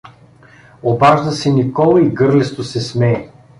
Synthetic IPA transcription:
obaʒd̪əsɛnʲikɔlˠɐiɡɤɾlɛst̪osɛsmɛː

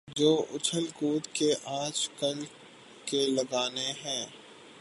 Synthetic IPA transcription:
d͡ʒoːʔʊt͡ʃʰəlkuːt̪keʔãːt͡ʃkəl | kelɐɡaːneɦɛ̃ː

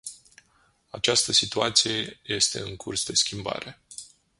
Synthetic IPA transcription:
at͡ʃast̪əsit̪uat̪sije̞je̞st̪e̞̰ɨŋkʰursd̪e̞skʲimba̰ɾe̞

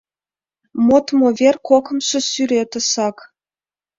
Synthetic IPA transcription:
mot̪movʲerkokɤ̆mʃɤ̆syɾʲet̪ɤ̆sɑk

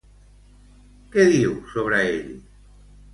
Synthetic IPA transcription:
keðiwsoβɾaeʎi

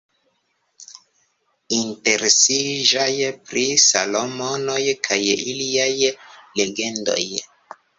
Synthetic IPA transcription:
inte̞ɾesiʒajpɾisalo̞mo̞no̞jkʰajḭliajle̞ɡe̞ndo̞̰j

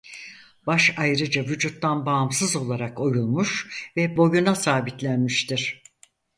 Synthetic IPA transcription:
b̥aʃajɾɯd͡ʒavyd͡ʒut̪ːanbaːmsɯzo̞lˠaɾako̞julˠmuʃvɛbo̞junasaːbit̪lʲænmiʃt̪ʰiɾ̥

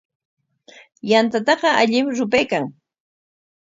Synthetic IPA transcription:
jant̪at̪ɑɢɑaʎɪmɾʊpajkaŋ

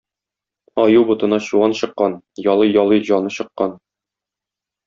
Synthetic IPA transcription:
ɒjuwbŭt̪ɤ̆nɑɕuɑnɕɤ̆qːɑn | jɒlˠɤjɒlˠɤʑɒnɤɕɤ̆qːɑn

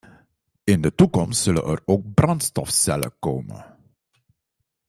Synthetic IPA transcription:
ɪndətukɔmstsɵlə̰nʔəroːk̚brɑntstɔfsɛlə̰koːmə̰

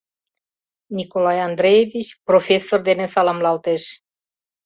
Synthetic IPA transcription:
nikolajand̪ɾejevit͡ʃʲprofesord̪enesalamlawt̪eʃ

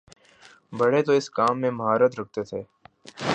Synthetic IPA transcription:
bəɽet̪oɪskaːmːẽməɦaːɾət̪ɾɐk̚ʰt̪et̪ʰeː

